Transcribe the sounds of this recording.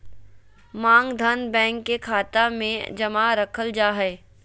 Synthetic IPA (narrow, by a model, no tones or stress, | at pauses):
mãːŋɡd̪ʱɐnbɛ̃ːŋkːekʰaːt̪amḛ̃d͡ʒɐmaɾəkʰəld͡ʒaːɦɛː